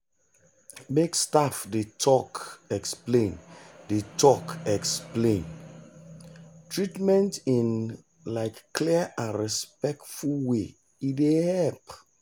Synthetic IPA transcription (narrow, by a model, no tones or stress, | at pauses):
mekstafdetʰɔkɛksplẽndetʰɔkɛksplẽn | tɹitmɛ̃ntĩn | laɪkːliəʔãnɹispɛk̚tfulwe | idehɛlp